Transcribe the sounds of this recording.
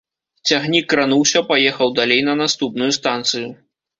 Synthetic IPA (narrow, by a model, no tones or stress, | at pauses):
t͡sʲaɣnʲikːɾanuwsʲɐpajɛxɐwd̪alʲejnɐnast̪upnujust̪ant̪sɨju